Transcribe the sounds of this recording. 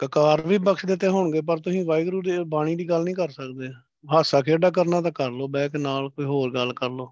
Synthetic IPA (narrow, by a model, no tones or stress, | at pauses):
kəkaːɾʋiːbəksd̪et̪eːɦʊɳɡeːp̬əɾt̪ʊsĩːʋaːɪɡɾuːd̪ebaːɽ̃iːd̪iːɡəlnĩːkəɾsəkd̪eː | ɦaːsaːkʰeːɖaːk̬əɾnãːt̪̬ãːkəɾloːbɛ̃ːknaːlkoːiːɦoːɾɡəlːkəɾloː